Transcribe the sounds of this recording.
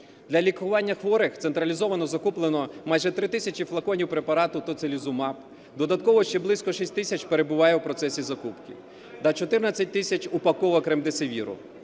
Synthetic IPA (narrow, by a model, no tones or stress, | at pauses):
d̪lʲɐlʲikʊʋɑnʲːɐxʋɔɾɪxt̪sent̪ɾɐlʲizɔʋɐnɔzɐkuplˠenɔmɑjʒɛt̪ɾɪt̪ɪsʲɐt͡ʃʲiflˠɐkɔnʲiwpɾe̞pɐɾɑt̪ʊt̪ɔt̪selʲizʊmɑp | d̪ɔd̪ɐt̪kɔʋɔʃt͡ʃɛblˠɪsʲkɔʃisʲtʲt̪ɪsʲɐt͡ʃpeɾe̞bʊʋɑjɛwpɾɔt̪sɛsʲizɐkupkɪ | t̪ɐt͡ʃɔt̪ɪrnɐt͡sʲːɐt̚ʲt̪ɪsʲɐt͡ʃʊpɐkɔʋɔkɾɪmd̪eseʋʲiɾʊ̰